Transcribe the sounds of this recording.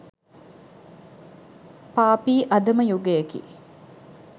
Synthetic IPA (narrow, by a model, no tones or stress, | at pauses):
paːpiːʔɐd̪ɐmɐjuɡejekḭː